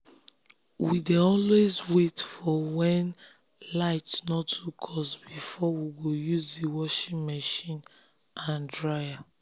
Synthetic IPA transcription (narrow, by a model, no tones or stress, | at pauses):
wideɔlwezwetfɔwɛ̃n | laɪtnɔtːukʰɔsbifɔwiɡojuzdiwɔʃĩŋmaʃĩn | ʔãndɹaɪa